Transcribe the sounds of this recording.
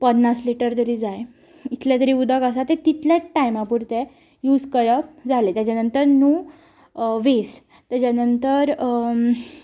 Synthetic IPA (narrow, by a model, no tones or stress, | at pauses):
pəd̪nasliʈəɾt̪əɾiːd͡zaj | it̪ʰljat̪̬əɾiːud̪ʱəkəs̬at̪et̪it̪ljaʈajmãpuɾt̪e | juːd͡zkəɾəd͡zʱalet̪jat͡ɕanənt̪əɾnu | ʋes | t̪jat͡ɕanənt̪əɾ